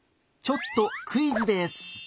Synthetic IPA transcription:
t͡ɕo̞t̪ːo̞kʰɯ̟izɨd̪e̞sɨ̥

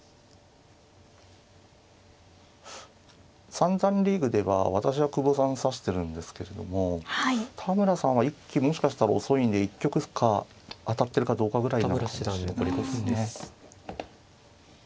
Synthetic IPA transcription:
sãnzãnɾʲiːɡɯ̟d̪e̞βa̰β̞at̪aɕiβakɯ̟bosãɰ̃saɕi̥t̪e̞ɾɯ̟̃nd̪e̞sɨ̥ke̞ɾe̞d̪o̞̰mo̞hat̪ʰamɯ̟ɾasãɰ̃βaikʲːimo̞ɕi̥kaɕi̥t̪aɾaoso̞ĩnd̪e̞ikʲːo̞kɯ̟kʰaː | t̪at̪ːe̞ɾɯ̟kad̪o̞ːkaɡɯ̟ɾaiaaokoɾʲikosne

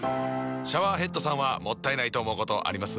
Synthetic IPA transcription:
ɕaβaːɦe̞t̪ːo̞sãɰ̃βamo̞t̪ːaenait̪o̞ːmo̞ɯko̞t̪o̞ʔa̰ɾʲimasɨ

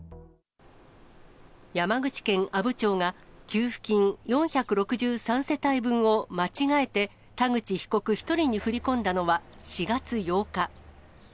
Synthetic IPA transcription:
jamaɡɯ̟t͡ɕi̥kẽ̞ŋʔabɯ̟t͡ɕo̞ːŋakʲɨːɸɯ̟̥kʲĩŋjõ̞ɰ̃çakɯ̟ɾo̞kɯ̟ʑɨːsãɰ̃se̞t̪aibɯ̟̃ɰ̃o̞mat͡ɕiŋae̞t̪e̞ | t̪aɡɯ̟t͡ɕiçi̥ko̞kɯ̟çi̥t̪o̞ɾʲiɲ̟iɸɯ̟ɾʲikõ̞nd̪ano̞βa | ɕiɡat͡sɨjo̞ːka

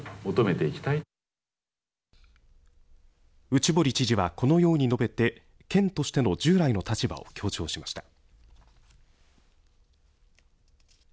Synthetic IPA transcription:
mo̞t̪o̞me̞t̪e̞ikʲi̥t̪ai | ɯ̟t͡ɕibo̞ɾʲit͡ɕiʑiβako̞no̞jo̞ːɲ̟ino̞be̞t̪e̞ | kẽ̞nt̪o̞ɕi̥t̪e̞no̞d͡ʑɨːɾaino̞t̪at͡ɕiba̰o̰kʲo̞ːt͡ɕo̞ːɕimaɕi̥t̪a

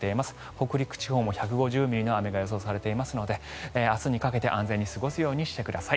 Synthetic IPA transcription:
t̪e̞imasɨ̥ | ho̞kɯ̟ɾʲikɯ̟̥t͡ɕiho̞ːmo̞çakɯ̟ɡo̞ʑɨːmʲiɾʲinoame̞ɡajo̞s̬o̞ːsaɾe̞t̪e̞imasɨno̞d̪e̞asɨɲ̟ikake̞t̪e̞ʔãnd͡ze̞ɲ̟ːisɨɡo̞sɨjo̞ːɲ̟iɕi̥t̪e̞kɯ̟d̪asai

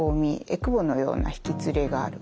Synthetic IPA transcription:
oːmʲiekɯ̟bo̞no̞jo̞ːna̰çi̥kʲit͡sɨɾe̞ɡa̰ːɾɯ̟

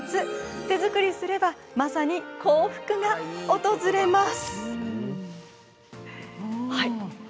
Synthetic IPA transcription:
t͡sɨt̪e̞zɨkɯ̟ɾʲisɨɾe̞bamasaɲ̟ikʰo̞ːɸɯ̟̥kɯ̟ɡao̞t̪o̞zɨɾe̞masɨ̥ | hai

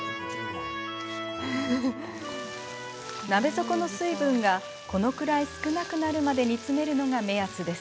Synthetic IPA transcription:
nabe̞zo̞ko̞no̞sɨibɯ̟̃ŋɡa | ko̞no̞kɯ̟ɾaisɨ̥kɯ̟nakɯ̟naɾɯ̟mad̪e̞ɲ̟it͡sɨme̞ɾɯ̟no̞ɡame̞at͡sɨd̪e̞sɨ̥

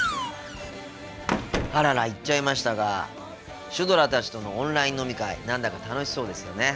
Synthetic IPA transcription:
haɾaɾait͡ɕt͡ɕːaimaɕi̥t̪aɡa | ɕɨd̪o̞ɾat̪at͡ɕi̥t̪o̞nõ̞ːnɾaĩnːo̞mʲikaḭnãnd̪akat̪ano̞ɕi̥so̞ːd̪e̞sɨjone̞

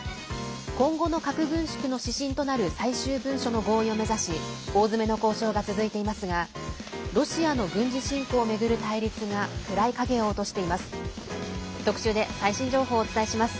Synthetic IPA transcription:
kõ̞ŋɡo̞no̞kakɯ̟ɡɯ̟̃ɰ̃ɕi̥kɯ̟no̞ɕiɕĩnt̪o̞naɾɯ̟saiɕɨːbɯ̟̃ɰ̃ɕo̞no̞ɡo̞ːio̞me̞zaɕio̞ːzɨme̞no̞ko̞ːɕo̞ːɡat͡sɨzɨit̪e̞imasɨɡa | ɾo̞ɕiano̞ɡɯ̟̃ɲ̟d͡ʑiɕĩŋko̞ːme̞ɡɯ̟ɾɯ̟t̪aiɾʲit͡sɨɡakɯ̟ɾaikaɡe̞o̞ːt̪o̞ɕi̥t̪e̞imasɨ̥ | t̪o̞kɯ̟̥ɕɨːd̪e̞saiɕĩɲ̟d͡ʑo̞ːɦo̞ːt͡sɨ̥t̪aiɕimasɨ̥

